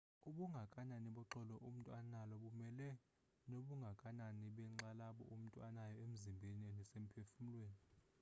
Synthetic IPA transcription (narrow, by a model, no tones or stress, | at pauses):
uɓuŋɡʱakʼananiɓɔǁɔlɔʔum̩tʼwanalɔɓumɛlɛ | noɓuŋɡʱakʼananiɓɛŋ͡ǁalaɓɔ̰ʔum̩tʼwanajɔem̩zimbʱeniɛnɛsem̩pʰefum̩lweːni